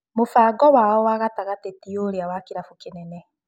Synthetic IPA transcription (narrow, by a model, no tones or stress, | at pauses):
mofaːɡɔwaɔwaɣataɣatetioɾeawakeɾafukenɛnɛ